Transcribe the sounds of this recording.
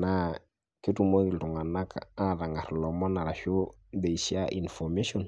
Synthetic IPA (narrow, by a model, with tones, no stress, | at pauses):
na˦ | ke˦tu˨mo˦ki˨ltu˨ŋa˨na˦kaa˦ɾa˨ŋa˨ɾlɔ˨mɔ˦na˨ɾa˨ʃo˦ | d̪e˨iʃiaʔḭ˨nfɔme˦ʃɔ˨n